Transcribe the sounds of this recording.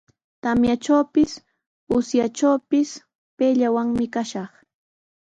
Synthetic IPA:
t̪amjat͡ʃawpɪs | ʊsjat͡ʃawpɪs | peːʎawaŋmɪkaʃɑχ

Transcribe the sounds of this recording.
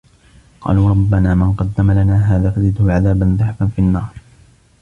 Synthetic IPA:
qʰɑ̰ːluːɾˤɑbːanaːmɪnqɑd̪ːamalanaːɦaːðaːfazɪd̪hʊʕaðaːbanðˤɨħfanfiʔanːɑːɾˤ

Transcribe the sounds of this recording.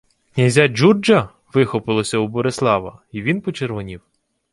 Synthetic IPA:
knʲɐzʲad͡ʒurd͡ʒɐ | ʋɪxɔpɪlˠɔsʲɐubɔɾeslˠɑʋɐ̰iʋʲinpɔt͡ʃerʋɔnʲiw

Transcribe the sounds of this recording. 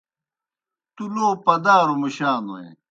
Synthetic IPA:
t̪uloːpɐd̪aːɾomiɕaːno̰ḛ

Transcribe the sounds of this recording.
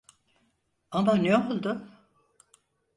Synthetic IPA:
amaneolˠd̪ʊ

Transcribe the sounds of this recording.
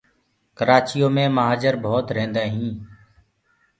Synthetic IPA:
kəɾaːt͡ʃijoːmẽːməɦaːd͡ʒəɾbʱoːt̪ɾẽːnd̪aːɦĩː

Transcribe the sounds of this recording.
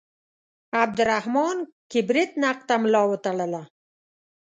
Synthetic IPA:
ab̚d̪əɾahmɑnkɪbɾɪt̪naq̚t̪amlɑwət̪aɭəla

